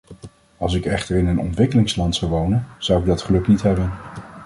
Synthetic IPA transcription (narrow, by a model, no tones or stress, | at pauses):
ɑlˠs̬ɪkɛχtəɹɪnənɔ̰ntʋɪkəlɪŋslɑntsɑwʋownənz̥ʌwɪɡ̚dɑtχəlɵknitɦɛbən